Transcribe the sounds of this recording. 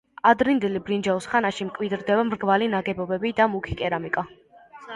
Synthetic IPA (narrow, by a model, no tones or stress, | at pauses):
ad̪ɾind̪ɛlibɾind͡ʒausχanaʃimkʼwid̪ɾd̪ɛvamɾɡvalinaɡɛbɔbɛbid̪amukʰi̥kʼɛɾamikʼa